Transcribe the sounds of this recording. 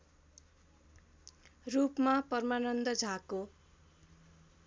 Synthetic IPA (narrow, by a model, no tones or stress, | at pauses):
rupmapʌrmanʌnd̪ʌd͡zʱako